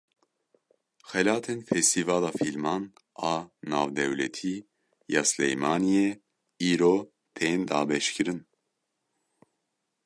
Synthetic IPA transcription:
xɛlaːt̪ʰɛnfɛst̪ʰivaːlafilmɑn | aːnaːvd̪ɛwlɛ̰t̪ʰi | jaːslɛ̰jmaːnijɛ | iːɾoː | t̪ʰejnd̪aːbɛʃkɨɾɨn

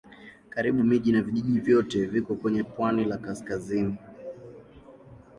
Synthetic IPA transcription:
kaɾiɓumiʄinaviʄiʄivjɔtɛvikɔkwɛɲɛpwanilakaskazini

